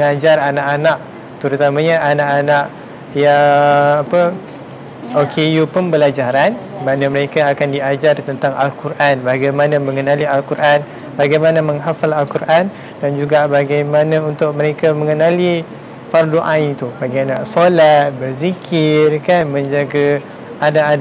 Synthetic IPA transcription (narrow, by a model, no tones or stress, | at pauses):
məŋad͡ʒaranaʔanaʔ | t̪əɾut̪amãɲaanaʔanaʔ | jaː | pə | okʰejupənbəlad͡ʒaɾanmanãməɾekaːkandiad͡ʒart̪ənt̪aŋʔalkuɾʔanbaɡajmanãmə̃ŋənãlialkuɾʔan | baɡajmanamə̃ŋɦafalalkuɾʔan | dand͡ʒuɡaʔbaɡajmanãunt̪ʊk̚məɾekaməŋənali | fardoʔãit̪ubaɡajanaʔsolat̪̚bərzikʰɪrkanmə̃ɲd͡ʒaɡa | anaʔan